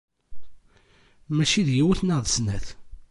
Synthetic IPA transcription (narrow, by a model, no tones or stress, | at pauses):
mæʃiðjiwæθnəðˤsnæθ